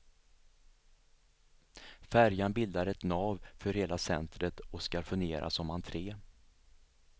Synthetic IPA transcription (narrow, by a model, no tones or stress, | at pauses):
fæɾjanbɪld̪aɾɛt̪nɑːvfœɾheːlasɛ̰nt̪ɾət̪ɔskaɾfɵnɡ̪eːɾʔa̰sɔmant̪ʰɾeː